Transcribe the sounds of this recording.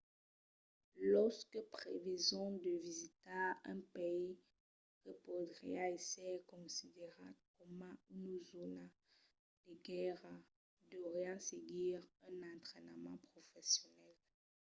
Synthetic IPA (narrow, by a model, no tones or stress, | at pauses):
lɔʁskəpχevezɔ̃d̪əvizit̪aɛ̃pei | ʁəpod̪ʁḭaesɛkɔ̃sid̪eʁa̰kɔmãynzona | d̪̥əɡɛʁa | d̪əvʁɛɑ̃seɡiːʁɛ̃nɑ̃nt̪χɛnəmɑ̰̃pχofɛsjɔnɛl